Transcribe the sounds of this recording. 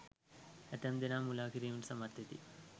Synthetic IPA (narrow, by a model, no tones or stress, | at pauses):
ɐt̪ɐmd̪inaːmulaːkiɾiunsɐmɐɾt̪ʰjɐt̪ḭ